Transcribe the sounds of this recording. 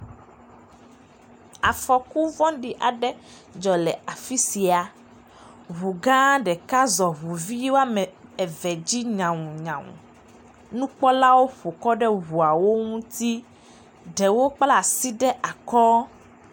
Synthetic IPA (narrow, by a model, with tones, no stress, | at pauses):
a˨fɔ˨ku˦vɔ̃˦ɖi˨ʔa˨ɖɛ˦ | d͡ʒɔ˨lɛ˨a˨fi˦si˨a˨ | βu˨ɡã˦ɖɛ˨ka˦zɔ˨βu˨vi˦wo˦a˦mɛ˨ɛ˨vɛ˨d͡ʑi˦ɲã˨ŋũ˨ɲã˨ŋṵ̃˨ | nũ˦k͡pɔ˦la˦wo˦ɸo˨kɔ˦ɖɛ˦ɦu˨a˨wo˦ŋũ˦t̪i˦ | ɖɛ˨wo˦k͡pla˦˨si˦ɖɛ˦ʔa˨kɔ˦